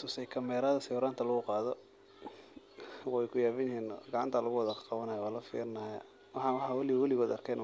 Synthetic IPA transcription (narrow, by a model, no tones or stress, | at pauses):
susɛjkʰɐmɛːɾaːðɐsɐjuːɾaːnt̪ʰɐlɐɣʊqɑːðɔ | wɛjkʰʊjaːβɐnjɪhiːnɡɑʕɑ̰nt̪ʰalɐɣʊwɐðɐqɑβɐnɐjɔwaːlɐfḭːɾɪnɐja | wɑħɑwħwɐlɪwɐlɪɣɔːd̪ɐrkʰɛjn